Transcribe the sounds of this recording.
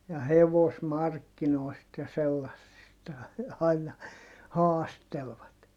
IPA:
jɑ heʋosmɑrkːinoi̯st jɑ selːɑsːistɑ ɑinɑ hɑːstelʋɑt

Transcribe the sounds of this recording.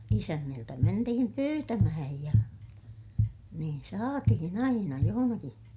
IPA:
isænːiltæ mentihim pyːtæmæhæj jɑ niːn sɑːtihin ɑinɑ johonɑki

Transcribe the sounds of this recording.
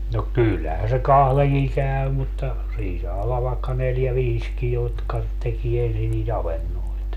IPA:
no kylːæhæn se kɑhleŋkiŋ kæy mutːɑ siːn sɑː olːɑʋ ʋɑekːɑ neljæ ʋiːski jotkɑ tekie ensin niːt ɑʋenːoit

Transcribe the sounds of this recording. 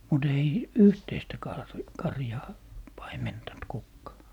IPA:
mut ei yhteistæ kɑr kɑrjɑː pɑimentɑnt kukːɑː

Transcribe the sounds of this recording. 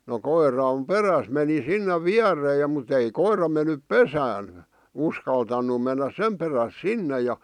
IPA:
no koirˑɑm peræs meni sinːe ʋiærːeː jɑ mut ei koirˑɑ menˑyp pesæːn̞ uskɑltɑnːu menːæs sem peræs sinːe jɑ

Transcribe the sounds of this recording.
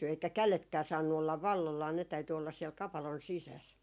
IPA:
eikæ kæletkæː sɑːnːu olːɑʋ ʋɑlːolːɑː ne tæyty olːɑs siɛl kɑpɑlon sisæs

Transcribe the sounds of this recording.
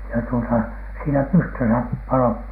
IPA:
jɑ tuotɑ siːnæ pystøsæ pɑloip

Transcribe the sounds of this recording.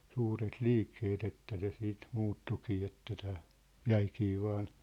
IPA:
suːret liːkːeːt etːæ se siːt muːtːukiː etːæ tæː jæikiː ʋɑːn

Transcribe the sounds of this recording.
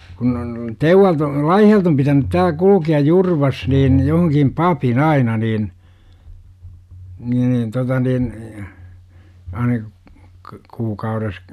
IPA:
kun on teuʋːɑlt o lɑihiɑlt om pitænyt tæːl kulukiɑj jurʋɑs niːn johoŋkim pɑpin ɑinɑ niːn ni ni totɑ nin ɑinɑ k kuːkɑures

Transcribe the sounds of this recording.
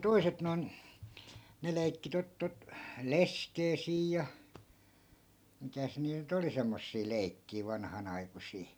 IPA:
toi̯set noi̯n ne lei̯kːi tot tot leskeː siːj jɑ mitæs niːt̆ nyt oli semːosːiː lei̯kːiː ʋɑnhɑnɑikusiː

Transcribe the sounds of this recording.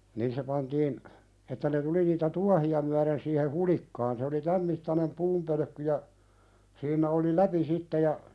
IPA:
nin se pɑntiːn etːæ ne tuli niːtæ tuɑhiɑ myæɾen siːhe hulikːɑːn se oli tæm mitːɑnem puːmpølø̆kːy jɑ siːnːæ̆ oli læpi sitːe jɑ

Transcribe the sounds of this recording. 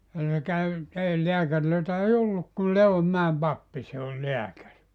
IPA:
jɑ se kæy ei leækærløitæ ei olːuk kul leomːæem pɑpːi se olʲ leækæri

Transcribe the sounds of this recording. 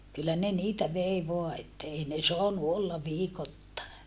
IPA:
kylːæ ne niːtæ ʋei ʋoɑ etːæ ei ne soɑnu olːɑ ʋiːkotːɑˑe

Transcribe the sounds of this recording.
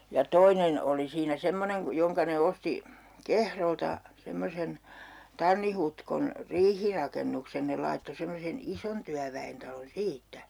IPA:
jɑ toinen oli siːnæ semːoneŋ ku joŋkɑ ne osti kehroltɑ semːosen tɑnːi hutkon riːhirɑkenːuksen ne lɑitːo semːosen ison tyæʋæentɑlon siːtːæ

